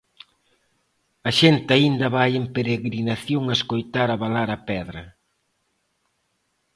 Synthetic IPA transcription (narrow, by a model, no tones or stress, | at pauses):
ɐʃent̪ɪaind̪ɐβajempeɾeɣɾinaθjoŋaeskojt̪aɾaβalaɾɐpɛðɾɐ